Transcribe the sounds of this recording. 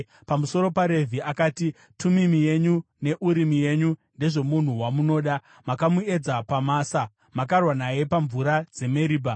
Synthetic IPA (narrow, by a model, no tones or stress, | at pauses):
pamuso̞ɾo̞paɾe̞vʱiakaːti | tumimije̞ɲune̞ʔuɾimije̞ɲunde̞ʐe̞mun̤uwamuno̞ːɗa | makamue̞d͡zapamaːsa | makarwanaje̞paɱvuɾad͡ze̞me̞ɾiːba